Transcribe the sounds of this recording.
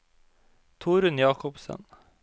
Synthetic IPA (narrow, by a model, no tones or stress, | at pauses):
t̪ʰuːɾʉnjɑːkɔpsə̰n